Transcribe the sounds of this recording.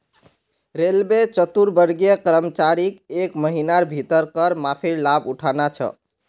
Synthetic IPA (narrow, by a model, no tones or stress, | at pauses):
ɾelbet͡ʃət̪uɾbəɾɡijəkəɾəmət͡ʃaɾikekməɦinaɾbʱit̪əɾkəɾmapʰiɾlabuʈʰanat͡ʃʰə̰